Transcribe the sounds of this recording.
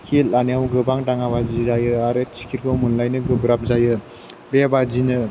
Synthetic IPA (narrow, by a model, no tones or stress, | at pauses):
kʰilanjawɡɯbaŋdaŋaβazizajɯaɾet͡ʃʰi̥kʰiɾkʰɯwmunlajnɯɡɯbɾap̚zajɯ | bebazinɯ